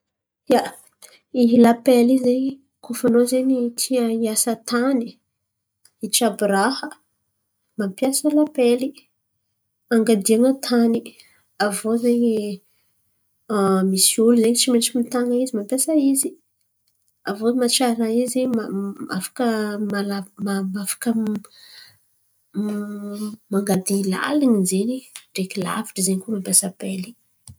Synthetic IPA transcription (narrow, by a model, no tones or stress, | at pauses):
ja | iɦilapelizeɲi | kʰofanozeɲit̪ʰiəiasət̪ʰani | it͡ʃabiɾahə | mampjasəlapeli | aŋɡad̪iaŋət̪ʰani | avozeɲi | amisiuluzeɲit͡ʃimeʈ͡ʂimit̪aŋəizimampjasaizi | avomaʈ͡ʂaɾnaizema̰fḁkəmalamamafḁkə | maŋɡad̪ila̰liŋizeɲiɖ͡ʐekila̰viʈ͡ʂəzeɲikumampʲjasapeli̥